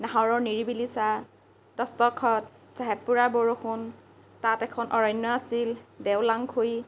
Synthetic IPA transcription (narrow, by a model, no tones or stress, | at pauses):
naɦɔɹɔɹniɹibilisa | dɔstɔkʰːɔt | z̥aɦɛpːuɹaboɹoxʊn | tatɛkʰɔnʔɔɹɔjnːɔasildɛwlaŋkʰoj